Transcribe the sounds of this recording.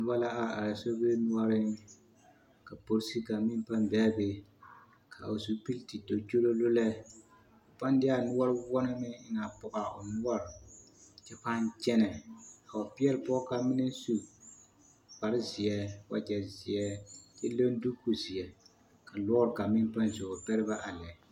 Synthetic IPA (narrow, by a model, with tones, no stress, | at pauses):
ba˦la˦ʔa˦a˨a˨so˦be˦nʊ˦ɔ˦ɾɪ˦ | ka˨po˦ɾsi˦ka˨mɪ˦npa˦mbɛ˦be˨ | kʰa˨o˨su˦pi˦lti˨to˨t͡ʃo˦lo˦lo˦lɛ˦ | ʊ˨pa˦n˦dɪ˦a˦nʊ˦ɔ˦ɾwɔ˦nɨ˦mɪ˦ɪ˦na˨pʊ˦ʔa˨ʊ̰˨nʊ˦ɔ˦ɾɪ˨ | t͡ʃɛ˦pa˦nt͡ʃɛ˦nɛ˨a˨wa˨pi˦ɛ˦lɪ˨pɔ˦ka˨mi˦nɛ˦su˦ | pa˨ɾɪ˦zɪ˨ɛ˦wa̰˦d͡ʒɛ˨zɪ˨ɛ˦t͡ʃɛ˦lo˦n˦du˦ku˨zi˨ɛ˨ | ka˨lɔ˦ɾɪ˨ka˨mɪ˦n˦pa˦nzʊ˨ʊ˨pɛ˦ɾɪ˦ba˦ʔa˨lɛ˨